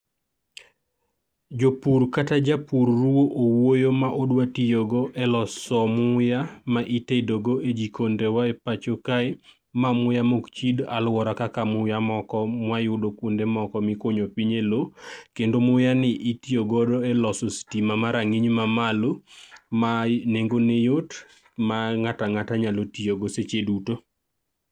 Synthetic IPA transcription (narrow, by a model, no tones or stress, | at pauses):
d͡ʒopuɾkatad͡ʒapuɾːuwoʔowojomaʔodwatijoɡoʔɛlɔsɔmʊjamaʔitedoɡoʔed͡ʒikondewaepat͡ʃokaɪ | mamʊjamokt͡ʃidalwɔɾakakamʊjamɔkɔmwajʊdokwondemɔkɔmɪkoɲopiɲelokendomʊjanɪʔitijoɡɔdoɛlɔsostimamaɾaŋiɲmamalomaneŋɡonejot | maŋataŋataɲalotijoɡoset͡ʃeduto